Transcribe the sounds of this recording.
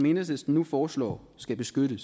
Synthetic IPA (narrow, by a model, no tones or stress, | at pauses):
me̝nəsəsd̥n̩nufɒːslɒ̰ː | sɡ̥æb̥e̝sɡ̥øɾəs